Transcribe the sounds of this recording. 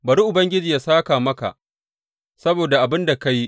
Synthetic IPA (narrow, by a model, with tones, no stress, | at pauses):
bɐ˨ɾi˦ʔʊ˨bɐ˦ŋɡʲɪ˦d͡ʒiː˨ja˦saː˦kaː˨mɐ˦ka̰˨ʔ | sɐ˦boː˨da˨ʔa˨bɪ˦nda˨ka˦ji˦ʔ